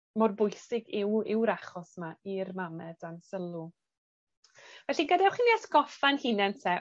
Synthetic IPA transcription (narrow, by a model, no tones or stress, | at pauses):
mɔrbʊjsɪɡɪwɪwɾaχɔsmairmamɛdansəlˠu | vɛɬinɡədawχiniasɡɔfanhinɛntʰɛ